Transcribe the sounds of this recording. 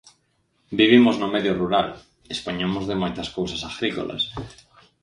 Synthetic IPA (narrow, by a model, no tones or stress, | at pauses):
biβ̞imoznʊmeðjʊruɾal | espoɲomozðemojt̪ɐskowsasaɣɾiko̰lʔa̰s